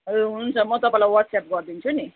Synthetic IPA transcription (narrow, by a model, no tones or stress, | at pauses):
eɦununt͡sʰʌmʌt̪ʌpãẽlajwʌʈsap̚ɡʌrd̪int͡sʰuni